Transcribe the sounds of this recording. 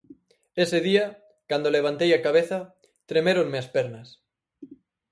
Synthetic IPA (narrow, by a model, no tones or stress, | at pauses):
eseðiɐ | kand̪oleβ̞ant̪ejakaβeθɐ | t̪ɾemeɾoŋmeaspeɾnɐs